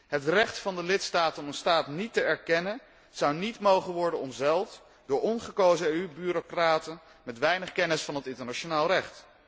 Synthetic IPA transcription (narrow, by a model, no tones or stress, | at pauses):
ɦətrɛχtfɑndəlɪtstaːtənmənstaːtnitəɛɹkɛnən | z̥ɑwnitmowχənʋɔɹdənɔmzɛlˠt | dʊːɹɔnχəkowzəeybyɾokraːtən | mɛtʋɛjnəχkɛnəsfɑnɦətɪntəɹnaʃonaːlˠrɛχt